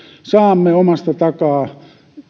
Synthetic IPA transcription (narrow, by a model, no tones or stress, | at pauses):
sɑːmːeomɑst̪ɑt̪ɑkɑː